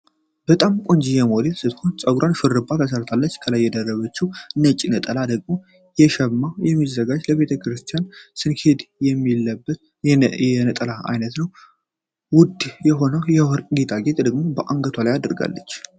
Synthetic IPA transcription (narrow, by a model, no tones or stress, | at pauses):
b̥ət̪ʼamkʷʼond͡ʒijɛmo̞d̪elsɨt̪konsʼəɡɾʔanʃɨɾɨbːat̪ʰəs̬əɾt̪ʰalːət͡ʃːkʰəlajːɛd̪ərːəβət͡ʃːiɨnːət͡ʃʼinət̪ʼəlad̪əɡmo̞ | jɛʃɛmːajɛmːizːəɡad͡ʒləβe̞t̪ʰəkɾɨst̪ʰijansɨnkʰe̞d̪jɛmːilːəbːət̪ | jɛnət̪ʼəlaa̰jnət̪nəw | wʊd̪jɛɦo̞nəwjɛwɔɾʼɡet̪ʰaɡet̪ʼd̪əɡmo̞bəʔaŋɡət̪ʰwalajad̪ɾɡa̰lːə̰t͡ʃː